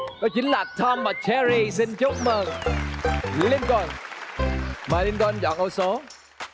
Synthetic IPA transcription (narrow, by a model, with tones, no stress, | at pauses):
kɔ˨˦t͡ɕï˨˦ŋ̟laː˨˩t̪ʰɔ˧mvaː˨˩t͡ɕɛ˧ɾi˧si˧nt͡ɕo˦˥k͡p̚məː˨˩ŋ | li˧nkɔ˨˩j | maː˨˩li˧nkːnzɔ̰˧˨nʔə˧so˨˦